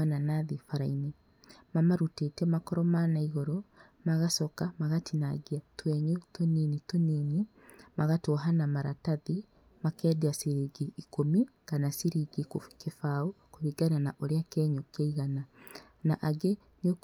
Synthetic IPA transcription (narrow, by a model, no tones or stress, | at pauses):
ananaðifaɾaine | mamaɾutetɛmakɔɾɔmanaiɣoɾo | maɣasɔkamaɣatinaɡiatwɛɲutoninitonene | maɣatoɦanamaɾataði | makɛːdeasiɾiɡiikomikanasiɾiɡikefaokoβiɡananaʔoɾeakɛɲokaiɣana | naʔaɡe | no